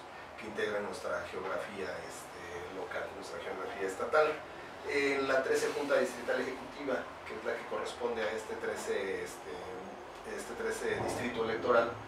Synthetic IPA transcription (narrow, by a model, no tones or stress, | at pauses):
ke̞int̪e̞ɣɾenwe̞st̪ɾaxeo̞ɣɾafiaest̪elo̞kalnwe̞st̪ɾaxeo̞ɣɾafiaest̪at̪al | enlat̪ɾe̞se̞xunt̪aðist̪ɾit̪ale̞xe̞kut̪iβa | keezlakeko̞re̞spo̞nd̪eae̞st̪et̪ɾesest̪e | est̪et̪ɾeseðist̪ɾit̪oelek̚t̪o̞ɾal